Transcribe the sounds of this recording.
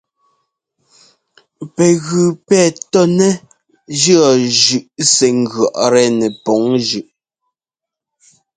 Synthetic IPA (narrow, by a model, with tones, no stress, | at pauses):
pɛ˨ɣʉ˨pɛː˦˨tɔ˦nɛ˦ | d͡ʒɰɔ˨ʒʉ˨ʔsɛ˨ŋ˦ɡɥɔ˨ʔɾɛ˦nɛ˨pɔ˨˦ŋʒʉ˨ʔ